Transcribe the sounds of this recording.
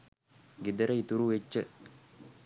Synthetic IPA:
ɡed̪əɾəit̪uɾuʋet͡ʃːə

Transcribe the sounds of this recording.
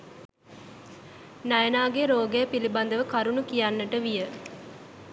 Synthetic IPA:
najənaːɡeɾoːɡejəpiliband̪əʋəkaɾunukijanːəʈəʋijə

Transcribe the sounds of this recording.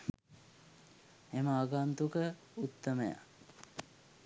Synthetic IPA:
eməaːɡant̪ukə | ut̪ːəməja̰

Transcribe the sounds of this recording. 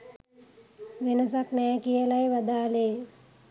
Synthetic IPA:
ʋenəs̬aknɛːkijəlajʋad̪aːleː

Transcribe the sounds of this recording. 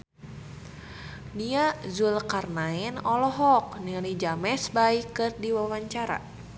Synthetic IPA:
niazulkarnaɛnɔlɔɦɔk̚niŋlid͡ʒamɛsbaikɨrdiwawaɲt͡ʃaɾa̰

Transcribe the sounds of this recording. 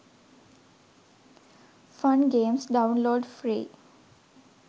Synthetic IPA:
fʌ̃nɡẽːmsɖãʊ̃nloːɖfɾḭː

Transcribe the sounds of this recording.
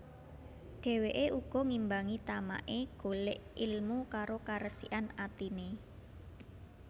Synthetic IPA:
ɖ̥ɛ̤weʔeʔuɡ̥ɔ̤ŋimbaŋit̪ama̰ʔeɡ̥o̤leʔilmukaɾokaɾəsḭʔanat̪ine

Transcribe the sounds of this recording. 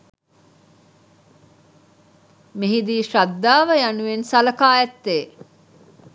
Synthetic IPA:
miɦid̪iːʃad̪ːaːʋəjanuensɐlɐkaːjɛt̪ːeː

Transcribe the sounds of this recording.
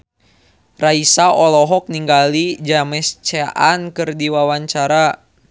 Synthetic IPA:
raisaɔlɔɦɔk̚niŋɡalid͡ʒamɛst͡ʃeʔankɨrdiwawaɲt͡ʃaɾa

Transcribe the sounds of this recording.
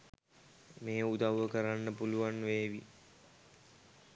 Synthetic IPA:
meːud̪aʋwʋəkəɾanːəpuluʋanʋeːʋi

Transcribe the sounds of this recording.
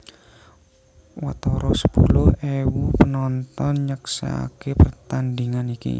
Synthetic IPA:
wat̪ɔɾɔsə̥pulʊhewupənɔnt̪ɔnɲəksa̰a̰kepərt̪and̪iŋanikḭ

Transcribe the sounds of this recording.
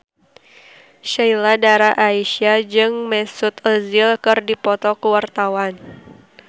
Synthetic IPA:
ʃailadaɾaʔaiʃiad͡ʒɨŋmɛsut̪əzɪlkɨrdipɔt̪ɔkəwart̪awan

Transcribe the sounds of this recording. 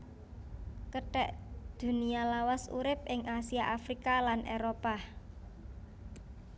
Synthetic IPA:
kəʈɛ̰ʔd̪̥ṳnialawasṵɾɪp̚ʔɪŋʔasiaʔafɾikalanʔeɾopa

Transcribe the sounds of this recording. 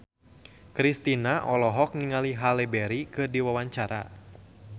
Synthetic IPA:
kɾist̪inaʔɔlɔɦɔk̚niŋaliɦalɛbɛɾikɨrdiwawaɲt͡ʃaɾa̰

